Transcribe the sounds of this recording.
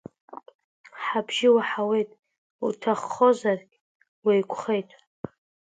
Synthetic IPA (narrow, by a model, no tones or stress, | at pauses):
ħabʒɪwaħawe̞jtʼ | utʰaχːo̞zarɡʲ | wejkʷʰʼχe̞jtʼ